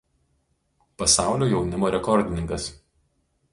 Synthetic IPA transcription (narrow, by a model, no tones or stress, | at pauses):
pɐsɑˑʊlʲoːjɛʊnʲɪmoːɾʲɛkɔɾʲd̪ʲɪnʲɪŋkɐs